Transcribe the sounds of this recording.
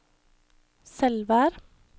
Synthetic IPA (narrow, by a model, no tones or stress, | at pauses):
sɛlʋæːɾ